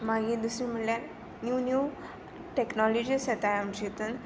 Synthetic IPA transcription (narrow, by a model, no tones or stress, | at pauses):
maɡiːd̪usɾĩm̤əɳljaɾ | njunju | ʈeknɔlɔd͡ʑisjet̪ajamd͡ʑit̪ən